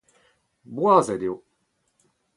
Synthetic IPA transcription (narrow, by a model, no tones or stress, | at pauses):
buazed̪ijo